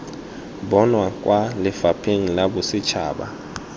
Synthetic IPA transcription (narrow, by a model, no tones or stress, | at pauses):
ɓɔnwakʼwʔalɪfapʰiŋ̩laɓʊsɪt͡ʃʰa̰ːɓa̰